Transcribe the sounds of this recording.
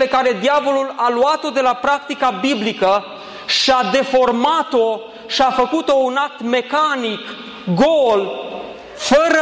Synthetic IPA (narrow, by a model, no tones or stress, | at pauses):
ekaɾe̞d̪iavo̞lulaluat̪o̞d̪e̞lapɾak̚t̪ikabiblikə | ʃad̪e̞fo̞rmat̪o̞ | ʃiafəkut̪o̞unak̚t̪me̞kanik | ɡol | fəɾə